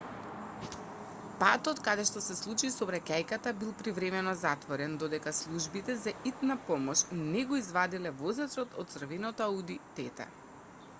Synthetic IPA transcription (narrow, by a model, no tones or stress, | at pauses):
pat̪ɔt̪kad̪ɛʃt̪ɔsɛslˠut͡ʃisɔbɾacajkat̪abilˠpɾivɾɛmɛnɔzat̪vɔɾɛnd̪ɔd̪ɛkaslˠuʒbit̪ɛzaʔit̪napɔmɔʃnɛɡoizvad̪ilɛvɔzat͡s̪ɔt̪ʰɔt̪̚sr̩vinɔt̪aud̪it̪ɛt̪ɛ̰